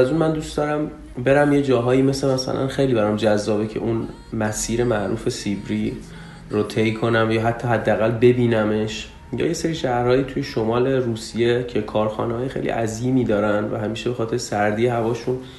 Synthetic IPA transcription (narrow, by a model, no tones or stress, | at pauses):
æzunmænd̪ustd̪ɒːɾæm | be̞ɾæmjed͡ʒɒːɦɒːjiːme̞slemæsæ̰lʔæ̰nxejliːbæɾɒmd͡ʒæzːɒːbecʰe̞̰ʔun | mæsiːɾe̞mæʔɾṵːfe̞sibɾi | ɾot̪ʰejkʰo̞næmjɒːɦæt̪ʰːɒːɦæd̪ːææɣælbe̞biːnæme̞ʃ | jɒ̰ːje̞se̞ɾiʃæhɾhɒːjiːt̪ʰujeʃo̞mɒːle̞ɾuːsije̞cʰe̞kʰɒːɾxɒ̰ːnehɒːje̞xejlḭʔæziːmiːd̪ɒːɾænd̪væɦæmiːʃebe̞xɒːt̪ʰe̞ɾesæɾd̪iːehævɒːʃũn